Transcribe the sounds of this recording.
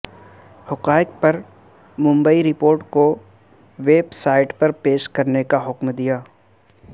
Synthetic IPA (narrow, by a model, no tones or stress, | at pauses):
hʊqaːɪk̚pɐɾ | mʊ̃mbəiɾɪpoːɾʈko | ʋeːbsaːɪʈpɐɾpeːʃkɐɾnekaɦʊkmd̪ijaː